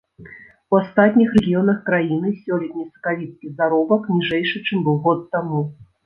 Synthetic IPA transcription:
uast̪at̪ʲnʲixrɛɣʲijɔnɐxkɾajinɨsʲɔlʲɛt̪̚ʲnʲisɐ̥kavʲit̪skʲizaɾɔbɐknʲiʐɛjʂɨt͡ʂɨmbɨwˠɣɔt̪ːamu

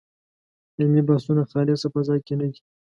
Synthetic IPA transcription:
ɪmlibɑsunaxɑlɪsapazɑjkenəd̪i

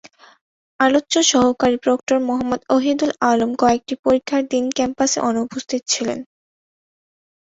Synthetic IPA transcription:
alotːɕoʃɔɦokaɾipɾok̚ʈoɾmoɦamːod̪oɦid̪ulalomkɔek̚ʈipoɾikʰːaɾd̪inkɛmpasḛʔɔnoupost̪ʰit̪̚t͡ɕʰilḛn

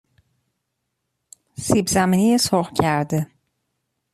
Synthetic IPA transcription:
sibzæminijesoʁcʰæɾd̪e

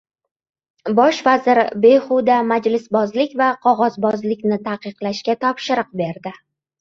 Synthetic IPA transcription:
bɒʃvazɪɾbe̞χud̪amad͡ʒlɪsbɒzlɪkʲvaqʰɒʁɒzbɒzlɪkʲnɪt̪ʰaqɨqlaʃkʲat̪ʰɒpʃɪɾɨq̚be̞ɾd̪ɪ

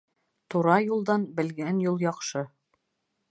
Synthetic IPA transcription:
t̪uɾɑjulˠd̪ɑnbɘ̆lɡænjulˠjɑqʃɤ

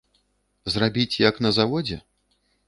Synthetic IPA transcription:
zrabʲit͡sʲjɐknɐzavɔd͡zʲɛ̰

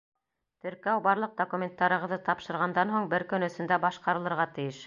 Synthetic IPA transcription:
t̪ɵ̆ɾkæwbɑɾlˠɤq̚d̪okumʲent̪ːɑɾɤ̆ʁɤ̆ðɤt̪ɑpʃɤ̆ɾʁɑnd̪ɑnɦoɴbɘɾkɵ̆nɵ̆sɵ̆nd̪æbɑʃqɑɾɤ̆lˠɤ̆ɾʁɑt̪ɘ̆jɘʃ

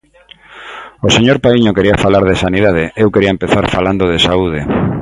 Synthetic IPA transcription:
oseɲoɾpaiɲokeɾiafalaɾðesaniðaðeʔewkeɾiaɐempeθaɾfaland̪oð̞esauð̞e

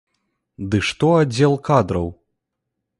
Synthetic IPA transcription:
d̪ɨʂt̪ɔad͡zʲɛlˠkad̪ɾɐw

